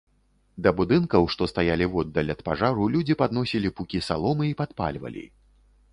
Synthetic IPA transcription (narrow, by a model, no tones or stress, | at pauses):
d̪ɐbud̪ɨnkɐwʂt̪ɔst̪ajalʲivɔd̪ːɐlʲɐt̪paʐaɾulʲud͡zʲipad̪nɔsʲilʲipukʲisa̰lˠɔmɨipat̪pa̰lʲvɐ̰lʲḭ